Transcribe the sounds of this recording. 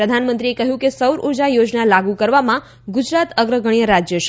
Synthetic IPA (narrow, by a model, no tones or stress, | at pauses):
ɾəd̪ʱanmə̃nt̪ɾiekəɦjũkesəwɾʔuɾd͡ʒajod͡ʒnalaɡukəɾʋamã | ɡud͡ʒɾat̪əɡɾəɡʱəɳ̃ijəɾad͡ʒjəʃ